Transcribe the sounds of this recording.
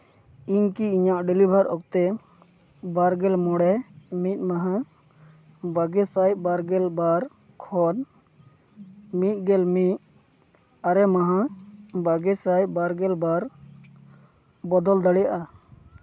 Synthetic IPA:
iɲkiiɲaʔɖɛlibʱaɾʔɔ̰k̚t̪ɛ | baɾɡɛlmɔɽɛmit̪̚ˀmaɦã | baɡɛsajbaɾɡɛlbaɾ | kʰɔn | mit̪̚ˀɡɛlmit̪̚ | aɾɛmaɦãbaɡɛsajbaɾɡɛlbaɾ | bɔd̪ɔld̪aɽɛjaʔa

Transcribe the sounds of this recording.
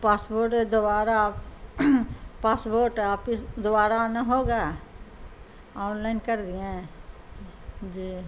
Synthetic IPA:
paːsboːɾʈed̪ʊbaːɾa | paːsboːɾʈɛaːpkisd̪ʊbaːɾanaɦoːɡaː | ɔːnlaɪnkəɾd̪iẽ | d͡ʒiː

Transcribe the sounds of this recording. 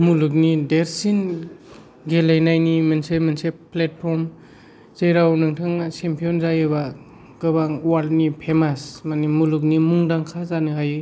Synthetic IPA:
muluk̬̚nideɾsin | ɡelajnajnimensemenseplet̚pʰɔɾm | zejɾawnɯŋtʰɯŋasempʰijɔnzajɯba | ɡ̥ɯbaŋwalt̚nipʰemasmanimuluk̬̚nimuŋdaŋkʰazanɯɦajɯ

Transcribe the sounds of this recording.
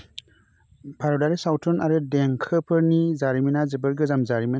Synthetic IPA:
pʰaɾɔdaɾisawtʰɔnaɾɯdeŋkʰɯpʰɯɾnizaɾiminazɯbɯɾɡɯzamzaɾimi

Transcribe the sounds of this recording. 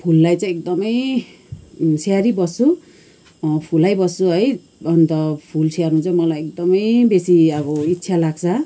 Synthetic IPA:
pʰulːajt͡sãĩek̚d̪ʌmʌj | seaɾibʌsu | pʰulajbʌsuɦʌj | ʌnt̪ʌpʰulsʰearnũt͡sʌ̃mʌlajek̚d̪ʌmʌjbesiʌbʌitːsʰalaɡt͡sʰʌ

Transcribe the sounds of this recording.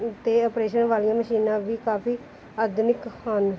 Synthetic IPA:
t̪eːəpɾeːʃənʋaːlijãːməʃiːnãːʋiːkaːpʰiː | aːd̪nɪkaːn

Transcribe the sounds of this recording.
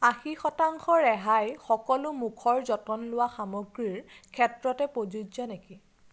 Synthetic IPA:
axixɔtaŋxɔɹɛɦajxɔkɔlʊmukʰɔɹzɔtɔnlʊwaxamoɡɹiɹkʰɛtɹɔtɛpozudzɔneki

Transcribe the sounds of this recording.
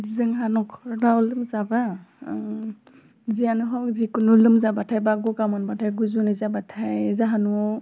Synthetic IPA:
dizɯŋɦanɔkʰɔdaulɯmzaba | zianɯɦɔkzikunulɯmzabatʰajbaɡɔkamɔnbatʰajɡuzunizabatʰajzaɦanuɔ

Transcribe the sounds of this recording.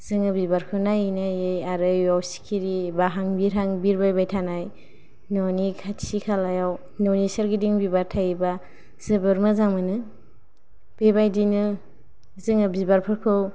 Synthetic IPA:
zɯŋɯbibaɾkʰɯnajnajejaɾɯjawsi̥kʰiɾibaɦaŋbiɾɦaŋbiɾbajbajtʰanaj | nɔnikʰatʰsikʰalajaw | nɔwnisaɾɡidiŋbibaɾtʰajiba | z̥ɯbɯɾmɯzaŋmɯnɯ | b̥ebajdinɯ | zɯŋɯbibaɾpʰɯɾkʰɯw

